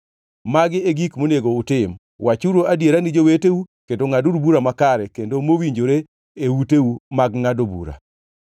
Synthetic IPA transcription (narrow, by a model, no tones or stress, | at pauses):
maɡɪeɡikmoneɡoʊtɪm | wʔat͡ʃuɾoadjeɾanɪd͡ʒoweteukendoŋaduɾubuɾamakaɾɛkendomowiɲd͡ʒoɾe | euteumaɡŋadobṵɾa̰